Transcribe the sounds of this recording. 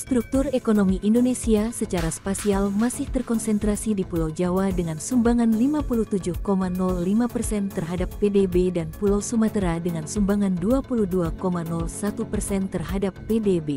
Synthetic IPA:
st̪ɾuk̚t̪urekonomiʔindonesiasət͡ʃaɾaspasialmasɪht̪ərkɔnsɛnt̪ɾasidipulawd͡ʒawadəŋansumbaŋanlimapuluht̪ud͡ʒʊhkomanɔlːimapərsɛnt̪ərɦadapːedebedanpulawsumat̪ɾadəŋansumbaŋanduapuluhduakomanɔlsat̪upərsɛnt̪ərɦadapːedebe

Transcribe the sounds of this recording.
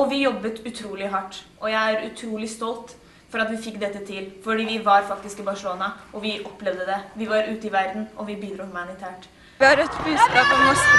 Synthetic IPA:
ɔʋɪjɔbːət̪ʉt̪ʰɾuːlɪɦɑʈːʔɔjæɪæɾʉt̪ʰɾuːlɪst̪ɔlt̪ | fɔɾɑt̪ʋɪfɪkːd̪ɛt̪ːət̪ʰɪlfɔɖiːʋɪʋɑɾfɑk̚t̪ɪskɪbɑʂəloːnɑʔɔʋɪʔɔpːlɛʋd̪əd̪ɛʋɪʋɑɾʔʉːt̪əɪʋæɾd̪n̩ʔɔʋɪbiːd̪ɾuːmɑnɪt̪ʰæːʈ | ʋɪhɑɾɛt̪bʉːd̪skɑːpɔmnɔ

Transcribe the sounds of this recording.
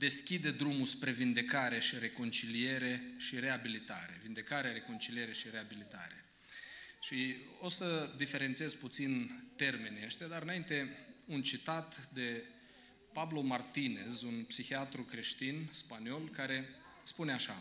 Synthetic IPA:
d̪e̞skʲid̪e̞d̪ɾumuspɾe̞vind̪e̞kaɾe̞ʃiɾe̞ko̞nt͡ʃilie̞ɾe̞ʃiɾe̞abilit̪a̰ɾe̞vind̪e̞kaɾeaɾe̞ko̞nt͡ʃilije̞ɾe̞ʃiɾe̞abilit̪a̰ɾe̞̰ | ʃio̞səd̪ife̞ɾe̞nt̪sie̞zput̪sint̪e̞rme̞nʲeeʃt̪ʲad̪aɾɨnaint̪e̞unt͡ʃit̪at̪d̪e̞ | pablo̞mart̪ine̞zunpsixiat̪ɾukɾe̞ʃt̪inspanio̞lkaɾe̞ | spune̞aʃa

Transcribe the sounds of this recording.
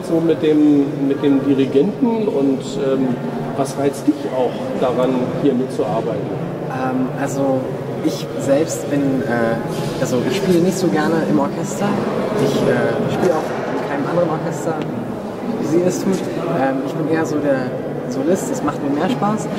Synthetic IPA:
z̥oːmɪt̚d̥eːmːɪt̚d̥eːmdiʁiɡɛntn̩ʊntʔɛːm | vasʁaɪt͡std̥ɪçaʊx | d̥aʁanhiːɐmɪt̚t͡suʔaɐbaɪtn̩ | ʔɛːmʔalzo | ʔɪç | zɛlpstb̥ɪnʔɛː | ʔalzoʔɪçʃpiːlənɪçtz̥oːɡɛɐnəʔɪmɔɐkʰɛstɐʔɪçʔɛːʃpiːləaʊx | ɪnkʰaɪnəmandəʁənɔɐkʰɛstɐ | viziːɛstʰuːt | ʔɛːmɪçb̥ɪnʔeːɐzoːdeːɐ | zolɪstɛsmaχtmiːɐmeːɐʃpaːs

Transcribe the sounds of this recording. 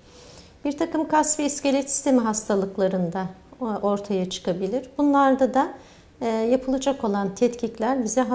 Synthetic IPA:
b̥iɾt̪ʰakɯmkʰasviːscelʲɛt̪si̥st̪ʰe̞miɦast̪ʰalˠɯklˠaɾɯnd̪ao̞ɾt̪ʰajat͡ʃʰɯ̥kʰabilʲiɾbunlˠaɾd̪ad̪a | japʰɯlˠad͡ʒako̞lˠant̪ʰɛt̪cʰiclʲæɾbizɛɦ

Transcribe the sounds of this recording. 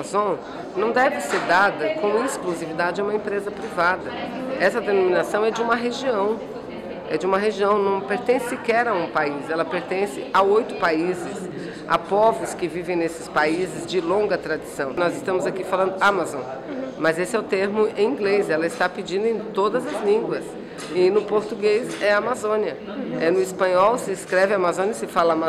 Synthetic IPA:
zõ | nɐ̃w̃d̪ɛvɪseɾd̪ad̪ɐkõw̃ĩskluzivid̪ad͡ʒɪd͡ʒũmɐẽpɾezɐpɾivad̪ɐɛsɐd̪enõmĩnasɐ̃w̃ɛd͡ʒɪũmɐɦeʒiɐ̃w̃ | ɛ̰d͡ʒɪũmɐɦeʒiɐ̃w̃nɐ̃w̃peɾt̪ẽssɪkɛɾɐũpaisɛlɐpeɾt̪ẽsɪaojt̪ʊpaizɪs | a̰pɔvʊskɪvivẽj̃nesɪ̥spaizɪzd͡ʒɪlõɡɐt̪ɾad͡ʒisɐ̃w̃nɔzɪst̪ɐ̃mʊzakifalɐ̃nd̪ʊamazõ̰ | mɐzesɪɛʊt̪eɾmʊẽĩɡlezɛlɐɪst̪apid͡ʒĩnd̪ʊẽj̃t̪od̪ɐzɐzlĩɡwɐs | ɪnʊpoɾt̪uɡezɛamazõniɐ | ɛnʊispɐ̃ɲɔwsɪskɾɛvɪamazõnjɐsɪfalɐama

